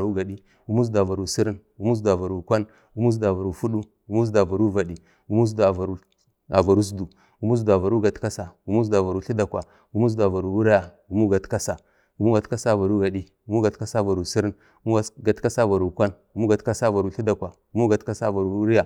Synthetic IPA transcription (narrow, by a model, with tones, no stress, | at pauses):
ɾu˦ɡa˨ɗi˦ | u˦mu˦zdu˨a˨va˨ɾu˨si˦ɾə˦n | u˦mu˦s̬du˨a˨va˨ɾu˨kʷa˦n | u˦mu˦du˨a˨va˨ɾu˨fu˦ɗu˦ | u˦mu˦s̬da˨va˨ɾu˦va˨ɗi˨ | u˦mu˦s̬du˨a˨va˨ɾu˦ | a˨va˨ɾu˦s̬du˨ | u˨˦mu˦s̬du˨a˨va˨ɾu˦ɡa˨tka˦sa˨u˦mu˦s̬du˨a˨va˨ɾu˦ɬi˦da˨kwa˨ | u˦mu˦s̬da˨va˨ɾu˨wu˦ɾi˦ja˨ | u˨mu˦ɡa˨tka˦sa˨ | u˨mu˦ɡa˨tka˦sa˦˨va˨ɾu˦ɡa˨ɗi˦ | u˦mu˦ɡa˨tka˦sa˦˨va˨ɾu˨si˦ɾi˦n | u˦mu˦˨ɡa˨tka˦sa˦˨va˨ɾu˨kʷa˦n | u˨˦mu˦ɡa˨tka˦sa˦˨va˨ɾu˨ɬi˦da˨kwa˨ | u˦mu˦ɡa˨tka˦sa˦˨va˨ɾu˨u˦ɾi˦ja˨